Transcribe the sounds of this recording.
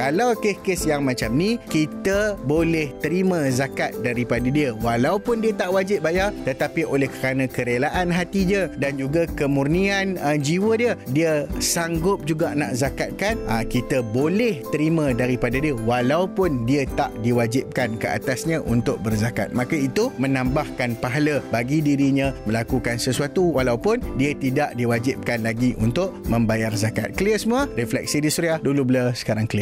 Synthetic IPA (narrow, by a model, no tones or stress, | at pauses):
kalawkehkesjaŋmãt͡ʃamnĩkit̪əbolɛht̪əɾimə̃zakat̪̚daɾipadadiəwalawpʊndiət̪aʔwad͡ʒɪp̚bajat̪ət̪apiʔolɛhkəɾanãkəɾelaʔanɦat̪iɲədand͡ʒuɡakəmurnianəd͡ʒiwədiədiəsaŋɡʊp̚d͡ʒuɡana̰ʔzakat̪̚kanʔakit̪əbolɛht̪əɾimə̃daɾipadadiəwalawpʊndiət̪aʔdiwad͡ʒɪp̚kankəʔa̰t̪asɲãʔunt̪ʊk̚bərzaka̰t̪̚mãkait̪umə̃nãmbahkanpaɦaləbaɡidiɾiɲãmə̃lakukansəsuat̪uwalawpʊndiət̪idaʔdiwad͡ʒɪp̚kanlaɡiʔṵnt̪ʊʔmə̃mbajarzaka̰t̪̚kliəsəmũərɛflɛ̰k̚sidisuɾiahdulubləsə̥kaɾaŋkli